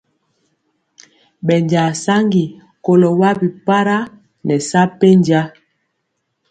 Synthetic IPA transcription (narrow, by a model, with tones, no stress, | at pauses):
ɓɛ˨nd͡ʒa˨sa˦ŋɡi˨ | ko˨lo˨wa˦bi˨pa˦ɾa˦ | nɛ˨sa˦pe˦nd͡ʒa˦